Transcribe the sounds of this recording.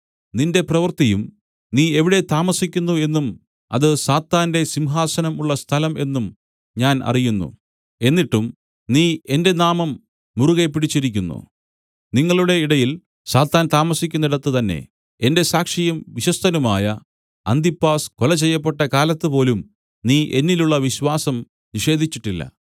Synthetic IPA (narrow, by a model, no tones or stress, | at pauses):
ninde̞prɐʋɐrt̪ijum | niːe̞ʋiɽe̞t̪aːmɐsikʲːunːue̞nːum | ɐ̰ðɨsaːt̪ːaːnde̞simɦaːsɐnɐmuɭːɐst̪ʰɐlɐme̞nːum | ɲaːnɐ̰rijunːṵ | e̞nːiʈːum | niːe̞nde̞naːmɐmː | uruɣepːiɽit͡ɕːiɾikʲːunːṵ | niŋːɐɭuɽe̞iɽɐjil | saːt̪ːaːnt̪aːmɐsikʲːunːiɽɐt̪ːɨt̪ɐnːe̞̰ | ende̞saːkʂijɐmʋiɕɐst̪ʰɐnumaːjɐ | ɐ̰nd̪ipːaːskolɐt͡ɕe̞jːɐpːe̞ʈːɐkaːlɐt̪ːɨpo̞ːlum | niːʔe̞nːiluɭːɐʋiɕwaːsɐm | niʂe̞ːd̪ʱit͡ɕːiʈːilːɐ̰